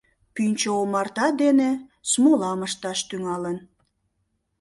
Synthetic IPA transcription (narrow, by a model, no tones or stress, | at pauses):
pynʲt͡ɕoomɑrt̪ɑd̪enesmolɑməʃt̪ɑʃt̪yŋɑlən